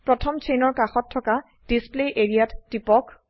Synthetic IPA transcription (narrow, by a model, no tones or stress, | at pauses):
pɹɔtʰɔmt͡ʃenɔɹkaxɔtʰːɔka | d̥ispleʔeɹijatːipɔk